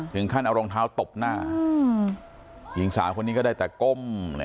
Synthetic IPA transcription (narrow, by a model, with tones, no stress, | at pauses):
t̪ʰɯ˩˦ŋkʰa˥˩nʔa˧ɾo˧ŋt̪ʰaː˦˥wt̪o˨˩p̚naː˥˩˧ | ji˨˩˦ŋsa̰ː˩˦mkʰo˧nːiː˦˥kɔː˥˩daː˥˩t̪ɛː˨˩ko˥˩ml̰